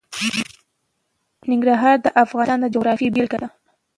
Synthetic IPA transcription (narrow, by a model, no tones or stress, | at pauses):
nɪŋɡɾaɦɑɾd̪əʔafɣɑnɑnd̪əd͡ʒoɣɾɑfibelkad̪a